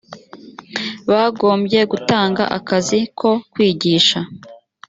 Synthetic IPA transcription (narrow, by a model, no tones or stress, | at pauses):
βaːɡo̞ːmbɟe̞ɡutaːŋɡa̰ʔakazikʰo̞kwiːɟiːʃa